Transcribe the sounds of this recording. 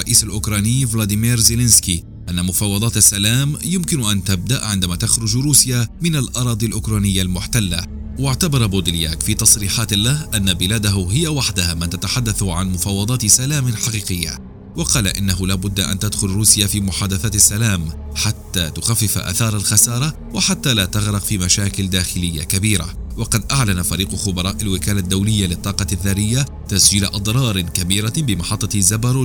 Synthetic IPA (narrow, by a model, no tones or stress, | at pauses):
ɑʔiːsalʔʊkɾˤɑːniːvloːd̪ɪmiːɾzɪlɪnski | ʔanːamʊfɑːwɑd̪ˤɑːt̪asːalaːmjʊmkɪnʔant̪ab̚d̪aʔʕɪnd̪amaːt̪axɾʊd͡ʒɾuːsjaːmɪnalʔɑɾˤɑːd̪ˤilʔʊkɾˤɑːnɪjːalmʊħt̪alːa | waʕt̪abɑɾˤɑboːd̪ɪlja̰ːkfiːt̪ɑsˤɾiːħaːt̪lahʔanːabɪlaːd̪aɦʊɦɪjawaħd̪ahamant̪at̪aħad̪ːaθʕanmʊfɑːwːɑd̪ˤɑːt̪salaːmɪħɑqiːqɪjːa̰ | wɑqɑːlaʔɪnːaɦʊlaːbʊd̪ːaʔa̰nt̪ad̪xʊlɾuːsjafiːmʊħaːd̪aθaːt̪asːalaːm | ħat̪ːaːt̪ʊxafːɪfʔa̰θɑːɾˤalxasɑːɾˤɑ | wɪħat̪ːaːlaːt̪aɣɾɪqfiːmaʃaːkɪld̪aːxɪlɪjːa̰kabiːɾa̰wɑqɑd̪ʔaʕlanafaɾiːqxʊbɑɾˤɑːʔalwɪkaːlad̪ːawlɪjːalɪt̪ˤːɑːqɑðːarːɪjːa | t̪asd͡ʒiːlaʔɑd̪ˤɾˤɑːɾˤɪnkabiːɾabɪmɑħɑt̪ˤːɑzabaɾˤo